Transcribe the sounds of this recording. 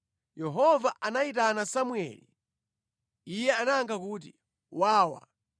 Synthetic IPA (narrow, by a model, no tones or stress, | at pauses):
jɛɦɔvaʔanaitanasamwɛ̰li | ijɛanaːŋɡʰakuːt̬i | waːwa̰